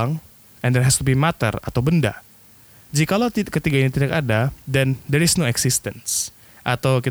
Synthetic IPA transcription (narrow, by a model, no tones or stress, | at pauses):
aŋ | ʔɛnd̪ɛɦɛst̪ubimat̪ə̰ra̰t̪awbənda̰ | d͡ʒikalawt̪ikət̪iɡainit̪idakadadɛndɛɾɪsnoɛksɪst̪əns | ʔat̪awki